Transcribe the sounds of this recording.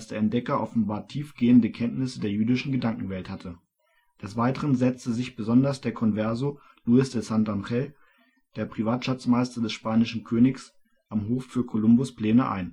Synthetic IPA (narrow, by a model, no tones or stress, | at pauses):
sd̥eːɐɛnt̚d̥ɛkɐʔɔfn̩baːɐtʰiːfɡ̥eːəndəkʰɛntnɪsədeːɐjyːdɪʃn̩ɡədaŋkŋ̩vɛlthatʰə | d̥ɛsv̥aɪtəʁ̞ənzɛt͡stəzɪçb̥əzɔndɐsd̥eːɐkʰɔnvɛɐzo | luɪsd̥ɛsantanʁɛl | d̥eːɐpʁ̥ivaːtʃat͡smaɪstɐdɛsʃpaːnɪʃn̩kʰøːnɪks | ʔamɦoːffyːɐkʰolʊmbʊspl̥ɛːnəʔa̰ɪn